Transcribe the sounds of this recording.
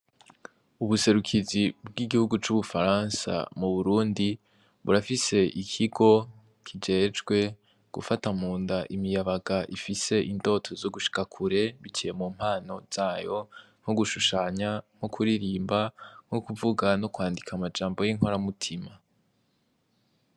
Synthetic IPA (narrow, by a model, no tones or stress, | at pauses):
uβuse̞ɾukʰizibɡiɡihuɡut͡ʃuβufaɾansa̰muβuɾuːndi | βuɾafise̞ʔikʰiɡo̞ | kʰid͡ʒe̞ːd͡ʒɡwe̞ | ɡ̥ṵfatamuːndaʔimijaβaɡaʔifise̞ʔinto̞tʰo̞zoɡuʃi̥kakʰuɾe̞βit͡ʃʰijemuːm̥haːno̞z̥aːjo̞ | ŋ̥hoɡuʃuʃaːɲaŋ̥hokʰuɾiɾiːmbaŋ̥hokuvuɡano̞kwaːndikʰamad͡ʒaːmbo̞jiŋɦoɾamutʰima